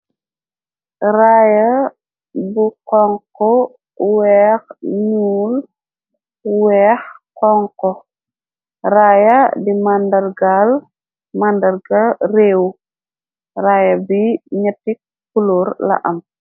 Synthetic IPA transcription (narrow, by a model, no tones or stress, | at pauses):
ɾaːjɐ | bukɔŋkɔ | wɛːxɲuːl | wɛːxkɔŋkɔ | ɾaːjɐdimandɐɾɡaːl | mandɐɾɡɐreːw | raːjɐbiɲɐtːik̚ | kulɔːɾlɐ̰ʔɐm